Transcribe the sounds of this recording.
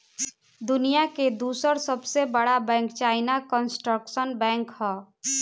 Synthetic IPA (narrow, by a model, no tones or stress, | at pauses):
d̪ʊnijaked̪uːsəɾsəbsebəɽabɛ̃ːŋkt͡ʃaːɪnakənsʈɾəksənbɛ̃ːŋkɦɛː